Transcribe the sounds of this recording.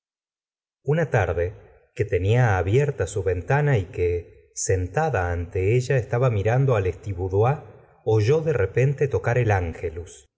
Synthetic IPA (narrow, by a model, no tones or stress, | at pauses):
unat̪aɾðe̞ | ke̞t̪e̞niaːβjeɾt̪asuβe̞nt̪anaike | se̞nt̪aðaːnt̪e̞eʒaest̪aβamiɾand̪o̞alest̪iβuðwa | oʒo̞ðerepe̞nt̪e̞t̪o̞kaɾe̞laŋxelus